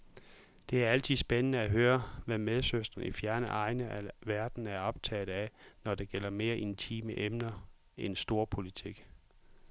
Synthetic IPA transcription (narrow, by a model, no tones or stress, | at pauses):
d̥e̝æɐæl̰t͡sʰiðˠsb̥enənəæɦøːɐʋæmeð̞ˠsøsd̥ʁɐnifjæɐnəʔɑ̈ɪnəʔæʋæɐd̥n̩æɐɒ̽b̥t͡sʰɛ̰ːð̩ˠænɒd̥e̝ɡ̥el̰ɐme̝ːɐʔe̝nt͡sʰḭːməʔemnɐ | ʔensd̥o̝ːɐpʰo̝lit͡sʰiɡ̥